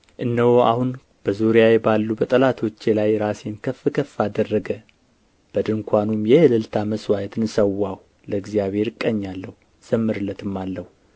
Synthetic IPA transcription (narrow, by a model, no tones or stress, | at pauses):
ʔɨnːəwoa̰hun | b̥əzuɾijajɛbalːubət̪ʼəlat̪ʰo̞t͡ʃːelajɾase̞nkʰəfɨkʰəfːad̪ərːəɡə | b̥əd̪ɨŋkʷʰanumjɛɨlɨlt̪ʰaməswajɛt̪ɨnsəwːah | ləɨɡzijaβhe̞ɾɨkʼːəɲːalːəhu | z̥əmːɨɾɨlːət̪ɨmːalːəhu